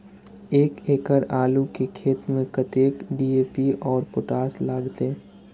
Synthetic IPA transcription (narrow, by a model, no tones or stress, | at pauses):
eːkeːkəɾaːlukekʰeːt̪mẽkɐt̪eːkɖiːeːpiʔɔːɾpʊʈaːslaːɡt̪e